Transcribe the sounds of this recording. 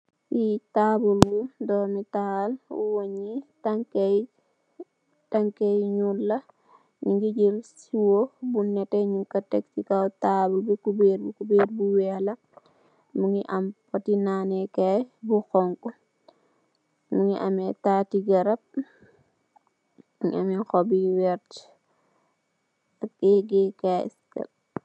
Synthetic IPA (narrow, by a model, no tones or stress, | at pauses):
itabulbudɔːmitalṵwoɲitaŋk | taŋkejɲulːɐ | ɲiŋɡiɟiɾsiwobunːɛteɲukɐtɛktikawtaːbulbukubeɾbukubeːɾbuwɛlɐ | muŋiʔɐmpɐtinanɛkajbuxɔŋkɔ | muŋiʔɐmɛtatiɡɐɾɐp̚ | muŋiamɛxɔbiwɛɾt | ɐkːɛɡɛka̰skɐ̰l